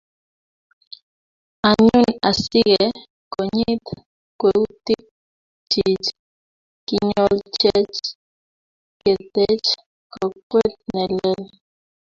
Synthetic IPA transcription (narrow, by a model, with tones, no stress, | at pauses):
a˨ɲu˦˨na˨si˦ɣɛ˨ | kɔ˨ɲi˦t̪ | kwɛ˨wt̪i˦k̚ | t͡ʃi˨t͡ʃ | ki˦ɲɔ˦lt͡ʃɛ˦t͡ʃ | kɛ˨t̪ɛ˦t͡ʃ | kɔ˨kwe˦t̪̚nɛ˨lɛ˦l